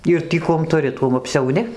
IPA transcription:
ˈɪr tʲiː ˈkuɔm tʊˈrʲɪ ˈtuɔm ɐpʲsʲɛʊˈnʲɪ

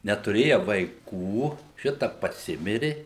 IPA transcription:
nʲɛtʊˈrʲeːjɛ ʋɐɪˈkuː ˈʃʲɪtɐ pɐˈsʲɪmʲɪrʲɪ

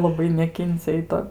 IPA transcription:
lˠɐˈbɐɪ nʲɛˈkʲɪnʲt͡sʲɛ ɪ ˈtoː

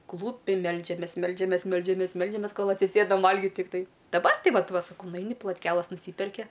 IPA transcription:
ˈklˠuːpʲɪ ˈmʲɛlʲd͡ʒʲɛmʲeːs ˈmʲɛlʲd͡ʒʲɛmʲeːs ˈmʲɛlʲd͡ʒʲɛmʲeːs ˈmʲɛlʲd͡ʒʲɛmʲeːs ˈkoːlˠ ɐtʲsʲɪˈsʲeːdɐm ˈʋɐlʲɡʲɪt tʲɪkˈtɐɪ dɐˈbɐr ˈtʲɪ ˈʋɐt ˈʋɐ sɐˈkɐʊ nʊˈɐɪnʲɪ plˠoːtʲˈkʲæːlˠɐs nʊˈsʲiːpʲɛrʲkʲɪ

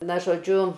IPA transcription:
ˈnɐ ʒoːˈd͡ʒʲʊ

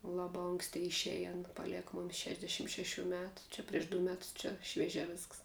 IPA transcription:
ˈlˠɑːbɐ ˈoːŋksʲtʲɪ ɪʃʲˈæːjɪ ˈɑːnɐ pɐˈlʲiɛkɐ ˈmoːmʲɪs ˈʃʲæːʒʲdʲɛʃʲɪm ʃʲɛˈʃʲuː ˈmʲæːtʊ ˈt͡ʃʲɛ pʲrʲiɛʃ dʊ ˈmʲæːtʊs ˈt͡ʃʲɛ ʃʲʋʲiɛˈʒʲæː ˈʋʲɪsks

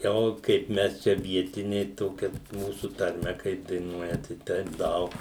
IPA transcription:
ˈoː kɐɪp ˈmʲɛs ˈt͡ʃʲɛ ˈʋʲiɛtʲɪnʲɛɪ ˈtoːkʲɛ ˈmuːsʊ tɐrʲˈmʲɛ kɐɪp dɐɪˈnuɔjɛ ˈtɐɪ ˈtʲɛɪp ˈdɐʊk

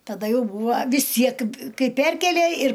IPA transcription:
tɐˈdɐ ˈjɛʊ ˈbuːʋɐ ʋʲɪs ˈtʲsʲiɛk ˈkɐɪ ˈpʲɛrʲkʲeːlʲeː ɪr

